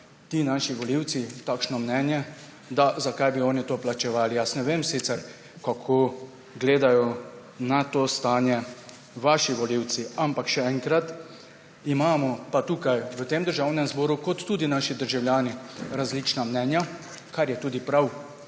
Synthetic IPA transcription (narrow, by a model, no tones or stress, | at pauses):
t̪iːnaʃiʋɔliwt̪sit̪aːkʃnɔmnɛːnjɛ | d̪azakajbiɔːnit̪oːplat͡ʃɛʋaːlijasnɛʋeːmsit̪sɛɾ | kakʰoː | ɡleːd̪ajɔ | nat̪oːst̪aːnjɛ | ʋaʃiʋɔliwt̪siampakʃɛɛŋkɾat̪ | imaːmɔpat̪uːkajʋət̪eːmd̪əɾʒaːwnɛmzbɔːɾukɔt̪ːuːd̪inaːʃid̪əɾʒawljaːniɾazlit͡ʃnamnɛːnja | kaɾjɛt̪uːd̪ipɾaw